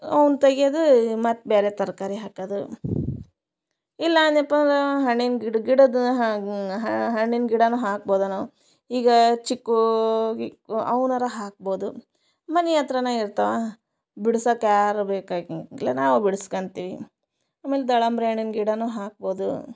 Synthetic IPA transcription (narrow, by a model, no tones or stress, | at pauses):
ɐwnt̪ɐɡijɐd̪umɐt̪ːbeːɾet̪ɐɾkaːɾiɦaːkɐd̪u | ilːɐːnɐpːɐnɦɐɳːinɡiɽɡiɽɐd̪ɦɦɐɦɐɳːinɡiɽɐnuːɦaːk̚boːd̪unɐu | iːɡɐt͡ʃikːu | ɐwnɐɾɐɦaːk̚boːd̪u | mɐnɛjaːt̪ɾɐnɐːiɾt̪ɐʋa | biɽusɐkjaːɾbeːkaːilːɐnaːʋubiɽskɐɳt̪iːʋi | aːmeːled̪ɐɭɐmbɾeːɳinɡiɽɐnuːɦaːk̚boːd̪u